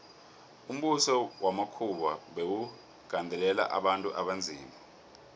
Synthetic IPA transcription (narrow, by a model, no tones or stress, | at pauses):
um̩ɓusɔwamakʰuɓaɓewu | ɡ̥ʱandʱɛlɛla̰ʔa̰ɓantʼuʔaɓand͡zʱiːma